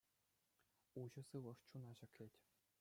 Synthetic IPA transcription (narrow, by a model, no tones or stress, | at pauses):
uʑɤ̆sɯʋɤ̆ʂt͡ɕunɑʑɘ̆kʲlʲetʲ